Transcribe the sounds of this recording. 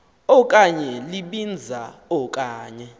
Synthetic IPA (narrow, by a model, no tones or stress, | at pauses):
ɔk̬ʼaɲɛliɓind͡zʱa | ɔk̬ʼaːɲɛ